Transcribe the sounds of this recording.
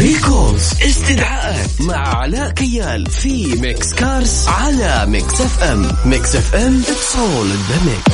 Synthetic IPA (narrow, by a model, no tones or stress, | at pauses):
ɾiːkolzʔɪst̪ɪd̪ʕaːʔa | maʕʕalaːʔkajːaːl | fi | mɪkskɑːɾˤsʕalamɪksʔɛfʔɛmmɪksʔɛfʔɛmʔɪt̪sˤoːlɪd̪amɪ̰k